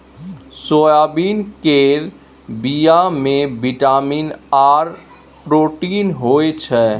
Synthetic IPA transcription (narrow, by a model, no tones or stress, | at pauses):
sojabiːnkeɾ | bijamẽbiʈaminaɾ | pɾoʈinɦoet͡ʃʰɛ